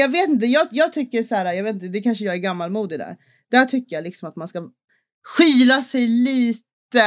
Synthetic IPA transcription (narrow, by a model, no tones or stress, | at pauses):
jɑːɡveːt̪ɪnt̪̬əjɑːjɑːɡ̚t̪ʰʏkːəʂæːɾajɑːɡveːt̪t̪əd̪ɛkʰanʂəjɑːɡæɾɡamːalmuːd̪ɪd̪æ̰ːɾ | d̪̥æʈʰʏkːəjalɪksɔmat̪manska | ɧiːlasɛjliːt̪ə